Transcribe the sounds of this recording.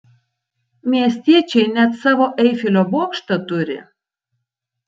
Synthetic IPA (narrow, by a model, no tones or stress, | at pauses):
mʲiɛsʲt̪ʲiɛt͡ʃʲɛɪnʲɛt̪sɑːʋoːʔɛɪfʲɪlʲoːboːkʃt̪ɐt̪ʊɾʲɪ̰